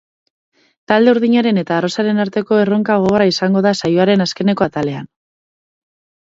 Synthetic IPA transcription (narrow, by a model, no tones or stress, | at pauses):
t̪ald̪e̞uɾðiɲaɾe̞ne̞t̪aːro̞saɾe̞naɾt̪e̞ko̞e̞ro̞ŋkaɣ̞o̞ɣoɾaisaŋɡo̞ðasajoaɾe̞naske̞ne̞ko̞at̪ale̞an